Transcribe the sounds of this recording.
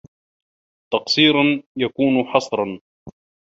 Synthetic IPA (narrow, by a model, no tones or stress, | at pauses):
t̪ɑqsiːɾɑnjakuːnħɑsˤɾˤɑn